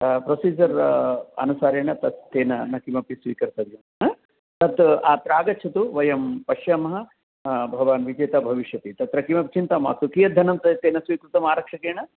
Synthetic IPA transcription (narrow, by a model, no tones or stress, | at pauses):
pɾosiːd͡ʒɐɾɐ̰nusaːɾeːɳɐt̪ɐt̪ːeːnɐnɐkimɐpisʋḭːkɐɾt̪ɐd̪jɐmɦɐ | t̪ɐt̪aːt̪ɾaːɡɐtːt͡ʃʰɐt̪uʋɐjɐmpɐʃjaːmɐɦɐ | bʱɐʋaːnʋid͡ʒeːt̪abʱɐʋiʃjɐt̪it̪ɐt̪ɾɐkimɐp̚t͡ʃint̪ɐma̰ːsukijɐd̪ʱɐnɐmt̪ɐt̪eːnɐsʋiːkɾut̪ɐmaːɾɐkʂɐkeːɳɐ